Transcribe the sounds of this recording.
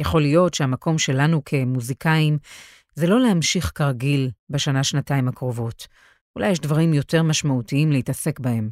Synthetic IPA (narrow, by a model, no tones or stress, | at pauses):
jaχo̞ljo̞tʃehamakʰo̞mʃe̞lanukʰe̞muzikʰaim | zelo̞lehamʃiχkaʁɡilbeʃanaʃnataimakʁo̞vo̞t | ulʔajɛʃdvaʁimjo̞te̞ʁmaʃmautiimlehitase̞kbahe̞m